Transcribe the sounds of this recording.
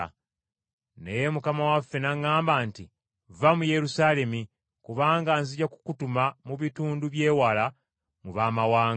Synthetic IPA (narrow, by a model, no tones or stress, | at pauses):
ne̞jemukamawafːe̞naŋːaːmbaːnti | vamuje̞ɾusaːle̞mi | kuβaːŋɡanziɟaku̥kutumamuβituːnduβje̞ːwala | muβaːmawaː